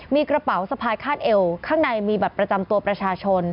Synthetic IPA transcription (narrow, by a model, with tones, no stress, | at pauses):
miː˧kɾa˧pa˩˦wsa˧pʰaː˧jkʰaː˥˩n̚ʔe˧wkʰaː˥˩ŋna˧jmiː˧baː˨˩pɾa˧t͡ɕa˧mt̪u˧ɐpɾa˧t͡ɕʰaː˧t͡ɕʰo˧n